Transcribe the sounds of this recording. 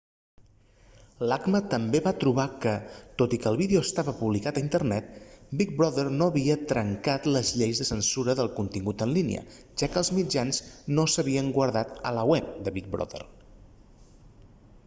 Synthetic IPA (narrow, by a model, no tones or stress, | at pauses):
laɡmət̪əmbeβat̪ɾuβ̞akət̪ot̪ikəːlˠβiðeoəst̪aβəpuβlikat̪əint̪əɾnɛt̪̚bik̚bɾɔðərnoəβiət̪ɾəŋkat̪ləzʎejzðəsənsuɾəðəlˠkunt̪iŋɡut̪ənlinḭə̰ | ʒ̥akəːlˠzmid͡ʒanznosəβiəŋɡwəɾðat̪ələwɛp̚d̪əβik̚bɾɔ̰ðə̰r